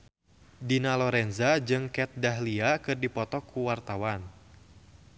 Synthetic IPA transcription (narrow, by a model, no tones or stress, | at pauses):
dinalɔɾɛnzad͡ʒɨŋkɛt̪̚daɦliakɨrdipɔt̪ɔkʰuwart̪awan